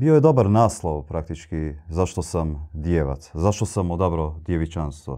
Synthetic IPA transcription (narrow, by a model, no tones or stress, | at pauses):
biojed̪o̞baɾnaːslˠoʋpɾak̚t̪it͡ʃkizaʃt̪osamd̪jeːʋa̰t̪zaʃt̪osamod̪abɾod̪jeʋit͡ʃanst̪ʋo̰